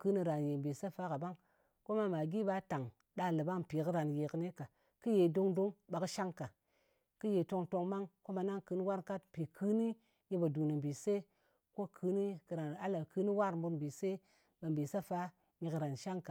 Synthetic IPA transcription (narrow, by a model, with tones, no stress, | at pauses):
kɨ˦ni˧ɾa˨nje˨m˨bi˨sa˦fa˦ka˨ba˦ŋ | ko˦ma˧ma˨ɡi˦ba˧˦ta˨ŋ | da˧lɨ˨ba˦ŋpi˨kɨ˦ɾa˨nje˨kɨ˧ne˦ka˨ | kɨ˦je˨do˦ŋdo˦ŋɓa˨kɨ˦ʃa˦ŋka˨ | kɨ˦je˨to˧ŋto˧ŋma˦ŋko˦ma˧na˦ŋkɨ˧ni˦wa˦ɾka˦tpi˨kʰɨ˦ni˦ | je˧ba˨du˨ni˨m˨bi˨se˦ | ko˦kʰɨ˧˦ni˦kɨ˨ɾa˨na˦la˨kɨ˧ni˦wa˦ɾm˦bu˧ɾm˨bi˨se˦ | ba˨m˨bi˨sa˦fa˦ | ɲi˧kɨ˧ɾa˨nʃa˦ŋka˨